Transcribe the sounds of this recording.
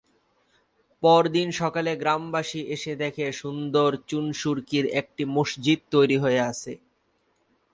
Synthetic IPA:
pɔɾd̪inʃɔkaleɡɾambaʃiʔeʃed̪ekʰeʃund̪oɾt͡ɕunʃuɾkiɾek̚ʈimoʃd͡ʑid̪̚t̪ojɾiɦoeat͡ɕʰe

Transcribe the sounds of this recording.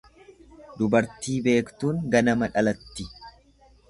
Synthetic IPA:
d̪ʊbɐɾt̪iːbe̞ːkt̪uːŋɡɐnɐmɐᶑɐlɐt̪ːɪ

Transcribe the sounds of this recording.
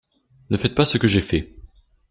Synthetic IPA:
nəfɛt̪̚pasəkəʒefɛ

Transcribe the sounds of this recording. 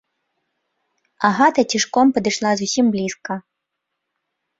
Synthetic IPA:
aɦat̪ɐt͡sʲiʂkɔmpɐd̪ɨʂlˠazusʲimblʲiskɐ

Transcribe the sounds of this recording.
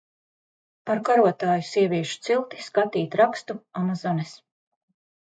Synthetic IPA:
paɾkaɾuɔt̪aːjusiɛvʲiɛʃu̥t̪silˠt̪i̥skat̪iːt̪ɾakst̪uamazɔnɛs

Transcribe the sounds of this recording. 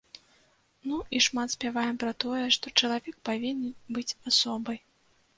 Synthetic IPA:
nuiʂmat̪sʲpʲavajɛmpɾɐt̪ɔjɛʂt̪ɔt͡ʂɐlˠavʲɛk̚pavʲinʲːɨbɨt͡sʲasɔbɐj

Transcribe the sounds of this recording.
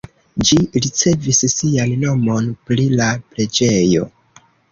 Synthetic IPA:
d͡ʒiɾit͡se̞vissianno̞mo̞npɾilapɾe̞d͡ʒe̞jo̞̰

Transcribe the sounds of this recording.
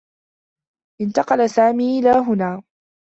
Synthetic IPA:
ʔɪnt̪ɑqɑlasaːmiːʔɪlaːɦʊnaː

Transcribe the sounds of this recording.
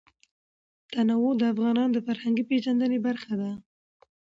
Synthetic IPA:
t̪anawod̪əafɣɑnɑnd̪əfaɾhaŋɡiped͡ʒand̪ənebaɾxad̪a

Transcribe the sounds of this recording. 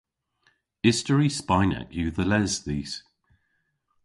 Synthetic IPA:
ɪstəɹispaɪna̰kjʉːðəlɛzðiːs

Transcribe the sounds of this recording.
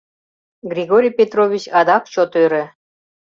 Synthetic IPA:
ɡrʲiɣoɾʲijpʲet̪rovʲit͡ɕɑd̪ɑk̚t͡ɕot̪øɾĕ

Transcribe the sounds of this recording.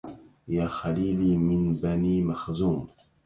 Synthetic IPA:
jaːxaliːliːmɪnbaniːmaxzuːm

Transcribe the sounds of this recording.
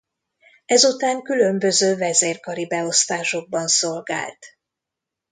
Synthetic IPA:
ɛzut̪aːŋkylømbø̞zøːvɛzeːrkɒɾibɛo̞st̪aːʃo̞ɡ̚bɒnso̞lɡa̰ːlt̪

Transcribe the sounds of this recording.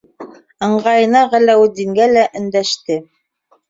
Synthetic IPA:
ɤ̆ɴɢɑjɤ̆nɑʁælæwɘd̪iŋɡælæʔɵ̆nd̪æʃt̪ɘ

